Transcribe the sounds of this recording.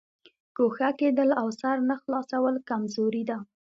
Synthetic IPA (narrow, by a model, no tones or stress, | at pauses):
koxaked̪əlawsaɾnaxlɑsawəlkamzoɾid̪a